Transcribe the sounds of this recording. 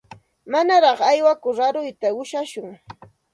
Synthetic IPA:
manaɾɑχajwakʊɾaɾʊjt̪aʊʃaʃʊŋ

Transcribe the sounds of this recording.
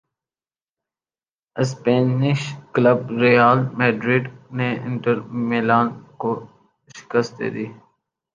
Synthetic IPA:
ɪspeːnɪʃkləbɾijaːlmeːɖɾɪɖneɪ̰̃ɳʈəɾmeːlaːnko | ʃɪ̥kəst̪̚d̪ḛːd̪iː

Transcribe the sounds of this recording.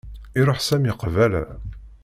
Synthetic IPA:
iɾˤoħsæmiqvælæ̰

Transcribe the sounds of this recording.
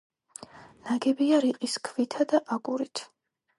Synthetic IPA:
naɡɛbiaɾiqʼiskʰvit̪ʰad̪aʔaɡʼuɾit̪ʰ

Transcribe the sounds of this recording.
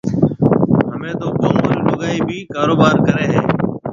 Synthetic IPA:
ɦəmẽːt̪oːboːmʊllʊɠaːiːbʱiːkaːɾoːbaːɾkəɾeːɦeː

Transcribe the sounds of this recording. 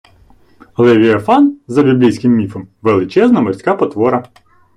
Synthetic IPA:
lˠɛʋʲiɐfɑnzɐbʲiblʲijsʲkɪmːʲifɔmʋelˠɪt͡ʃɛznɐmɐsʲkɑpɔt̪ʋɔɾɐ

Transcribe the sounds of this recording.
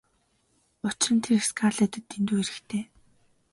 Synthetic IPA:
ʊt͡ɕrə̆nt̪ʰerskʰarɮet̪ɘ̆t̪ːent̪uːeɾɘ̆kt̪ʰeː

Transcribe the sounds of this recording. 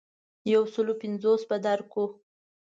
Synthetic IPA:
jawsəlopɪnzosbad̪aɾko

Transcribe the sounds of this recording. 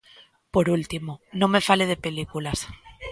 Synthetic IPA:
po̞ɾult̪imonõ̞me̞fale̞ðe̞pe̞likulas

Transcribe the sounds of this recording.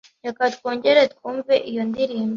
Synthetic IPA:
jakatkoːɲɟe̞ɾetkuːɱveʔijondiɾiːmbe

